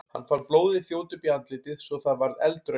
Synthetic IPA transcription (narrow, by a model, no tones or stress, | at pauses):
ha̰nːfaɾploːwðɪθjoːwt̪ʏpiant̪lɪːt̪ɪðsɔθaðvaɾðɛ̰lt̪ɾœ